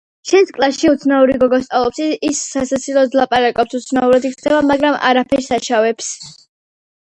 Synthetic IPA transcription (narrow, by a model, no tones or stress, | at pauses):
ʃɛnskʼlˠaʃiut̪sʰnauɾiɡɔɡɔst̪ʼalˠɔpsiisːatsat̪sʰilˠɔd̪lˠapʼaɾakʼɔp̚sut̪sʰnauɾad̪ikt̪ʰɛbamaɡɾamʔa̰ɾapʰɛɾsaʃavɛps